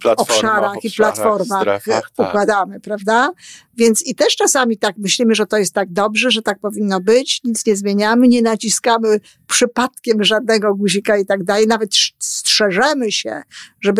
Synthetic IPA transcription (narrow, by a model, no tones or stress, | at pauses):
ɔpʂaɾaxiplat̪fɔɾmaukwad̪amɘpɾavd̪avʲjɛntsit̪ɛʂt͡ʂasamʲit̪ak̚mɘɕlʲimɘʐɛt̪ɔjɛst̪ːaɡ̚d̪ɔbʐɛʐɛt̪ak̚pɔvʲinːɔbɘt͡ɕɲit̪sɲɛzmʲjeɲamɘɲɛnat͡ɕiskamɘ | pʂɘpat̪kʲɛmʐad̪̚nɛɡɔɡwuʑikait̪aɡd̪alɛjnavɛt̪ʂstʂɛʐɛmɘɕɛ̰ʐɛbɘ